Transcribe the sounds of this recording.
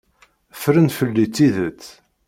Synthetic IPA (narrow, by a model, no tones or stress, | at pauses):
fɾənfəlːit͡sːiðət͡sː